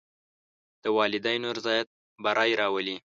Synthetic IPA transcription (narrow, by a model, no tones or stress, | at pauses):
d̪̥əwɑlɪd̪ajnoɾzɑjat̪̚ | baɾʔɑjɾɑwəli